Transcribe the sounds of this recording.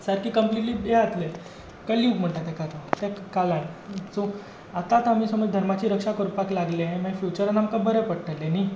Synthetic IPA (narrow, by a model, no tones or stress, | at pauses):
səɾkiːkəmpliʈliːbeat̪le | kəlĩːŋkm̤əɳt̪at̪ekat̪at̪ekkalãnso | at̪at̪am̤iːsəməɾd̪ʱəɾmat͡ɕiːɾəkʂakəɾpaklaɡleɦẽmãifjut͡ɕəɾənamkabəɾepəɽʈəlːeni